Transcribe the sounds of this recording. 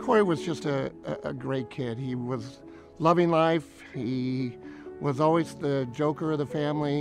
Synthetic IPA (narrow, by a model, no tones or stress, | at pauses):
kʰɔɹiwʌzd͡ʒʌstɨɨə̰ɡɹeɪt̚kʰɪd̚iwʌz | lʌvɪ̃ŋlaɪf | hi | wʌzɔlˠwiz̥ðɨd͡ʒoʊkə˞ʌvðɨfæ̃mli